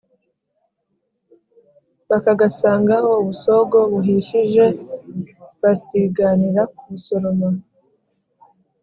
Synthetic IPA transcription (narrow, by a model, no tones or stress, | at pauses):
βakaɡasaːŋɡaho̞uβuso̞ɡo̞βuɦiʃiʒe̞ | βasiɡaniɾakuβuso̞ɾo̞ma